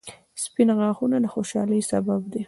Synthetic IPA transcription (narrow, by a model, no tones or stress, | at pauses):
spɪnaɣɑxunalaxoʃɑləjsababd̪e